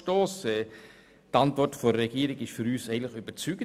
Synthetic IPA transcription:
toːsɛː | tɑntʋɔɾtfɔɾɛɡiəɾɪɡɪʃfyɾyːsɛɪənləχyb̥ət͡syɡ̥ə

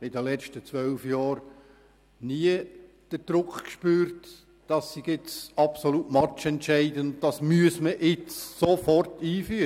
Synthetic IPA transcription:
ɪdəlɛt͡ʃtət͡sʋœlfjɑːɾ | niə | d̥əɾd̥ɾʊkʰχkʃpyːɾt | d̥ɑsːiɡɪt͡sɑpsolutmɑt͡ʃɛntʃɛɪdənʊn̚d̥ɑsmyəsməʔɪt͡ssofɔrtiːfyə

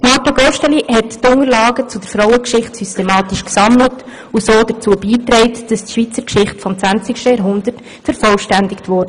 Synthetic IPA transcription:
mɑːtɑɡɔʃtɛlihɛttʊŋəɾlɑːɡət͡sudəɾfɾɔʊəkʃɪχtsystɛmɑːtiʃksɑmlət | usoːdət͡suːəbiːtɾɛɪtd̥ɑstʃʋiːt͡səɾkʃɪχtfɔmt͡sʋænt͡sɪkʃtəjɑɾɦʊndərt | fɛɾfɔlʃtændɪktvɔːdə

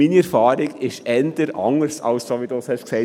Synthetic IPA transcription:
iːniɛɾfɑːɾɪɡɪʃɛnd̪əɾʔɑ̰ŋəɾsɑ̰lssoːʋidushɛʃksɛɪ

